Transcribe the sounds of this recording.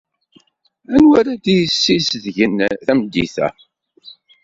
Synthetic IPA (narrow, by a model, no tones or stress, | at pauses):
ænwæɾæd̪ijəsːisðʝənθæmd̪ːḭθæ̰